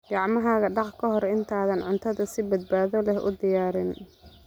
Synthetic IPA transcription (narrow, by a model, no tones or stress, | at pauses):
ɡ̥ɑʕmɐɦaːɣɐɖɑqkʰɐɦɔɾɪnt̪ʰaːðɐnʕʊnt̪ʰɐðɐsɪbɐd̪̚baːðɔlɛhʔʊ̰d̪ɪjaːɾɪn